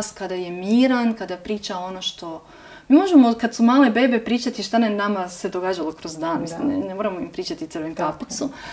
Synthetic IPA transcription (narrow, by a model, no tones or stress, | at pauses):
skad̪aje̞miːɾankad̪apɾiːt͡ʃao̞noʃt̪o̞ | miːmo̞ʒemo̞kad̪sumaːle̞be̞ːbepɾiːt͡ʃat̪iʃt̪anenamase̞d̪oɡaːd͡ʒalokɾozd̪aːnmislimnnemoɾamoimpɾiːt͡ʃat̪it̪sɨrʋenkaput̪su